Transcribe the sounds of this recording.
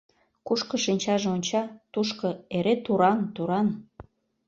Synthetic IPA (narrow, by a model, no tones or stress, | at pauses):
kuʃkɤ̆ʃinʲt͡ɕɑʒeonʲt͡ɕɑt̪uʃkɤ̆eɾet̪uɾɑnt̪uɾɑn